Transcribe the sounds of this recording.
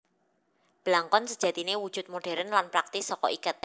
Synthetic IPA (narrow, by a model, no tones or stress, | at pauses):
b̥əlaŋkɔnsəd̥ʒ̥a̤t̪inewud̥ʒ̥ʊ̤t̪̚moɖ̥ɛ̤ɾənlanpɾak̚t̪ɪsɔkɔ̰ʔikət̪̚